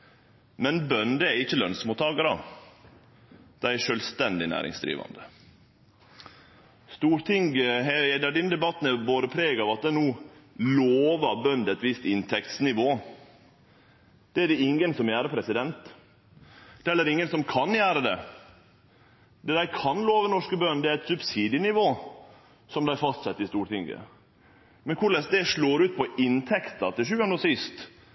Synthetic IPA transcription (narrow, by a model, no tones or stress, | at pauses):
mɛnbœnd̪ɛæɾɪçːəlœnsmuːt̪ːɑːɡɑɾə̰ | d̪̥æɪɛʂœːlst̪ɛnd̪ɪnæ̰ːɾɪ̰ŋsd̪ɾḭːʋɑ̰nd̪ə | st̪uːɾt̪ʰɪŋɡɦɛɛd̪æɖɪnd̪ɛbɑt̪ːn̩ɛboːd̪əpʰɾeːɡɑʋɑt̪̚d̪ɛnuːloːʋɑɾbœnd̪ɛt̪ʋɪst̪ɪnt̪ʰɛkt̪snɪʋoː | d̪̥ɛæɖɛɪŋːənsɔmjæːɾəpʰɾɛsɪd̪ɛnt̪ | d̪̥ɛɛælːəɾɪŋːənsɔmkʰɑnjæːɾəd̪ɛ̰ | d̪ɛd̪æɪkʰɑnloːʋənɔʂkəbœnd̪ɛæɾɛt̪sʉbsiːd̪ɪnɪʋoː | sɔmd̪æɪfɑst̪sɛt̪ːɾɪst̪uːʈɪŋɡə̰ | mɛnkʰʊɭɛsd̪ɛʂɭoːɾʉːt̪̚pʰɔɪnt̪ʰɛkt̪ɑt̪ʰɪʂʉːɑnɔsɪst̪